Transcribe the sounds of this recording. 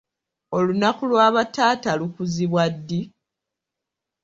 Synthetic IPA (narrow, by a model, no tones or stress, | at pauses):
o̞lunakulwaːβataːtalukuziβwadːi